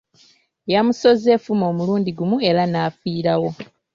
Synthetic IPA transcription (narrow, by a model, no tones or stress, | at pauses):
jamuso̞zefumo̞ːmuluːndiɡumue̞ɾanaːfiːɾawo̞